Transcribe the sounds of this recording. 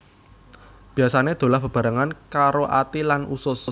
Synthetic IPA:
b̥i̤asaned̪̥o̤lahb̥ə̤b̥a̤ɾaŋankaɾoʔa̰t̪ilanusʊs

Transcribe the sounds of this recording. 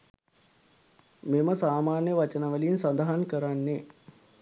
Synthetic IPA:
meməsaːmaːnjəʋat͡ʃənəʋəliːnsɐnd̪əɦankəɾanːe

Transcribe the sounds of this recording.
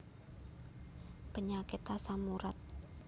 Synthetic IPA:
pəɲakɪt̪asamuɾat̪̚

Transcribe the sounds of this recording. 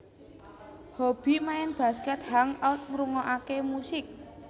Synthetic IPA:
hob̥i̤maɛnb̥ä̤skɛt̪̚haŋat̪̚ŋɾuŋɔʔakemusɪk̚

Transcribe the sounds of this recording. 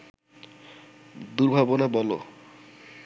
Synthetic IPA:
d̪uɾbʱabonabɔlo̰

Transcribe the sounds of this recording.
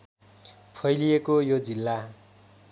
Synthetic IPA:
pʰʌjlijekojod͡zilːa

